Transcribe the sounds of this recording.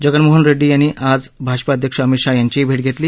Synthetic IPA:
d͡ʑəɡənmoɦənɾeɖːiːjañːiːʔad͡zbʱaɕpaəd̪ʱjəkʂəəmiʂajaɲt͡ɕiibʱeʈ̚ɡʱet̪liː

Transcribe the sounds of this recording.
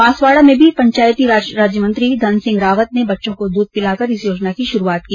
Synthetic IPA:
maːsʋaːɽamẽbʱipɐ̃ɲt͡ʃaːjt̪iɾaːɾaːd͡ʒjəmə̃nt̪ɾid̪ʱɐnsɪ̃ŋɡɾaːʋət̪nebɐtːʃõkod̪uːd̪̚pɪlaːkɐɾɪsjoːd͡ʒnakiʃʊɾuaːt̪̚kiː

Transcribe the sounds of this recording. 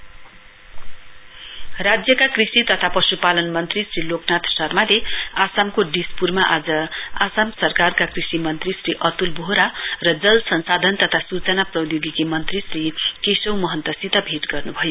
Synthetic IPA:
rad͡zjʌkakrisit̪ʌt̪ʰapʌsupalʌnmʌnt̪risriloknat̪ʰsʌrmaleasamkoɖispurmaʔad͡zʌasamsʌrkarkakrisimʌnt̪risriʔʌt̪ulbʱoɾarʌd͡zʌlsʌnsad̪ʱʌnt̪ʌt̪ʰasut͡sʌnaprʌjoɡikimʌnt̪risrikesʌwmʌɦʌnt̪ʌsit̪ʌbʱeʈɡʌrnubʱʌjo

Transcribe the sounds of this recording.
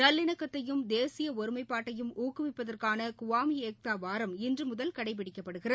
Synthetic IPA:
nɐlːɪɳɐkːɐt̪ːɐjɯmd̪eːsɪjɐɔɾɯmɐɪpːaːʈːɐjɯmuːkːɯʋɪpːɐðɐrkaːnɐkʊʋaːmieːk̚t̪aːʋaːɾɐmɪndrɯmʊðɐlkɐɽɐɪp̬ɪɽɪkːɐpːɐɽɯɣɪrɐð

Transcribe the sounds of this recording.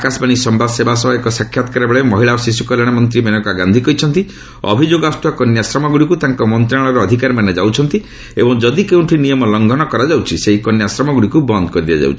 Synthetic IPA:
akasbaɽ̃isɔmbasebasɔɦaekɔsakʰːjat̪ɔ̥kaɾebeɭemɔɦiɭaɔsisukɔlaɽ̃amɔnt̪ɾimenɔkɔaɡand̪ʱikɔɦit͡ʃʰɔnt̪i | ɔ̰bʱid͡ʒoɡɔast̪uakɔnjasɾɔmɔɡuɽikut̪aŋkɔmɔnt̪ɾãɔɾɔːd̪ʱikaɾmaned͡ʒawt͡ʃʰɔnt̪i | ebɔŋd͡ʒɔd̪ikew̃ʈʰinijɔmɔlɔŋɡʱɔnɔkɔɾad͡ʒawt͡ʃʰiseɦikɔnjasɾɔmɔɡuɽikubɔnd̪ɔkɔɾid̪a̰d͡ʒa̰wt͡ʃʰii

